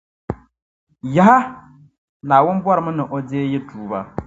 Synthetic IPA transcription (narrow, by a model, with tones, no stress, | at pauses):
ja˨˦a˦ | naː˨wʊ˦nbwɔ˦ɾɨ˨mɨ˦nɨ˨ʔɔ˨deː˦jɛ˦tʰuː˨ba˦